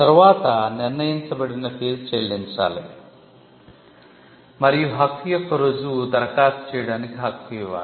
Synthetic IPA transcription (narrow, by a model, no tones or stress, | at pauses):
t̪ɐɾʋaːt̪ɐniɾnɐjɐnt͡sɐbɐɽinɐpʰeːzt͡ʃeːlint͡ʃa̰ːle | mɐɾjuɦɐkʰːijɐkʰɐɾod͡zud̪ɐɾkaːt̪t͡ʃeːɽɐnikiɦɐkʰːijʋa̰ː